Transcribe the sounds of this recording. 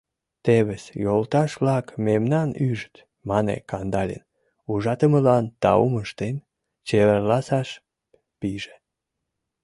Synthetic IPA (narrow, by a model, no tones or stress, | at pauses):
t̪eβəsjolt̪ɑʃβlɑkmemnɑnyʒt̪ | mɑnḛkɑnd̪ɑlʲḛn | uʒɑt̪əməlɑnt̪ɑuməʃt̪en | t͡ɕeβərlɑsɑʃ | piʒe̥